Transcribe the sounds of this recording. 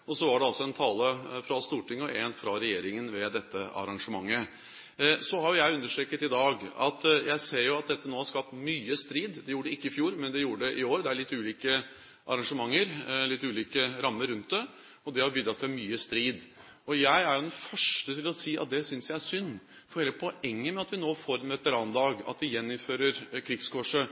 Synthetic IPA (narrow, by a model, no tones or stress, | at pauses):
ɔsɔʋɑɖɛɑlsɔɛnt̪ʰɑːləfɾɑst̪uːʈɪŋːɔʔɛnfɾɑɾɛjeːɾɪŋənʋɛd̪ɛt̪ːəɑ̰ɾɑŋʂəmɑŋːə | sɔhɑɾjʊjæɪʉnːəʂʈɾɛːkːət̪ɪd̪ɑːɡɑ̰t̪jæɪseːɾjʊɑt̪̚d̪ɛt̪ːənoːhɑʂkɑp̚t̪myːəst̪ɾiːd̪d̪ɛjuːəɖəɪkːəɪfjuːɾmɛnd̪ɛjuːəɖɛʔɪoːɾd̪ɛæɭɪt̪ːʉːliːkə | ʔɑ̰ɾɑŋʂəmɑŋːəɾlɪt̪ːʉːliːkəɾɑmːəɾʉnt̪̚d̪ɛ | ɔd̪ɛhɑɾbiːd̪ɾɑt̪ʰːɪlmyːəst̪ɾiːd̪ | ɔjæɪæɾjʊd̪ɛnfœʂʈət̪ʰɪlɔsiːʔɑ̰t̪̚d̪ɛsʏnsjæɪæʂsʏnː | fɔɾheːləpʰɔʔɛŋːəmɛɑt̪ʋɪnoːfoːɾɛnʋɛt̪əɾɑːnd̪ɑːɡɑ̰t̪̚d̪ɪjɛnːɪmføːɾəɾkʰɾɪɡskʰɔʂə